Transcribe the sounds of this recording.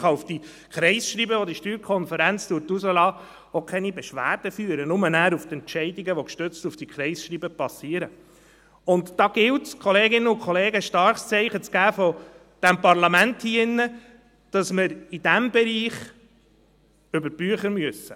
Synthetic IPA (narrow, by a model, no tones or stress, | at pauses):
χɑufd̥i | kʰɾɛɪsʃɾiːbəʋod̪iʃtyːɾkʰɔnfəɾænt͡stuːɾtuzəlɑː | okʰɛnibɛʃʋæ̰ːɾd̥əfyːəɾənʊmənæːɾuft̪ɛntʃɛɪdiɡəʋɔkʃtøt͡stufd̥ikχɾɛɪsʃɾiːbəpɑsiːəɾə | ʊntdɑːɡ̥ɪltskχɔleːɡɪnːəʊnkʰχɔleːɡəʃtɑɾχst͡sɛɪχət͡sɡ̥æːfɔ | d̥æmpɑɾlɑmænthiɪnːə | d̥ɑsmɪɾidæmbɛɾiːχ | ʏbəɾb̥yəχəɾmyəsːə